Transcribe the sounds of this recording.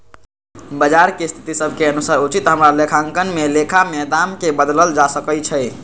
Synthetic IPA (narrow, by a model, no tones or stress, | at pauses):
bəd͡ʒaɾkest̪ʰi̥t̪isəbʱkeənusəɾut͡ʃit̪ɦəmɾalekʰãŋkənmelekʰamɛd̪amkebəd̪ləld͡ʒasəkət͡ʃʰɛɪ